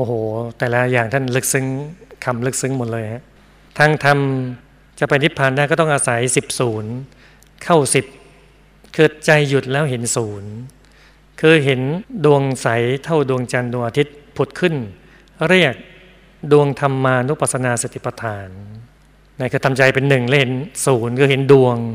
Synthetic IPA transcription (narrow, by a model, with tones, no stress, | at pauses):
ʔoː˧˩hoː˨˩˦t̪ɛː˨˩la˦˥jaː˨˩ŋt̪ʰa˥˩nlɯ˦˥k̚sɯ˦˥ŋkʰa˧mlɯ˦˥k̚sɯ˦˥ŋmo˨˩lɤː˧jha˦˥ʔ | t̪ʰaː˧ŋt̪ʰa˧m | t͡ɕa˨˩pa˧jt̪ʰi˦˥t̪̚pʰaː˨˩ndaː˥˩kɔ˥˩t̪ɔ˥˩ʔaː˧sa˩˦jsi˨˩p̚suː˩˦n | kʰa˥˩wsi˨˩p̚ | kɤː˨˩t̪̚t͡ɕa˧jːu˨˩t̪̚lɛː˦˥wɦe˩˦nsuː˩˦n | kʰɯː˧ɦe˩˦ndu˧əŋsa˩˦jt̪ʰa˥˩wdu˧əŋt͡ɕa˧ndu˧ŋʔaː˧t̪ʰi˦˥t̪̚pʰu˨˩t̪̚kʰɯ˥˩n | ɾi˥˩ək̚ | du˧əŋt̪ʰa˧mːaː˧nu˦˥pa˨˩t̪̚sa˧naː˧se˨˩t̪ʰi˨˩pa˧t̪ʰaː˩˦nː | a˧˥˩kʰɯː˧t̪ʰa˧mt͡ɕa˧jpe˧nːɯ˨˩ŋlɛː˥whe˩˦nsuː˩˦nkʰɯː˧ɦe˩˦ndu˧əŋ